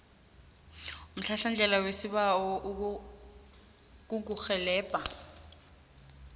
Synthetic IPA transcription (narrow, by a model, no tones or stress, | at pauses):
um̩ɬaɬand͡ʒʱɛlawesiɓaɔʔ | k̬ʼuk̬uxɛlɛːb̥ʱʼa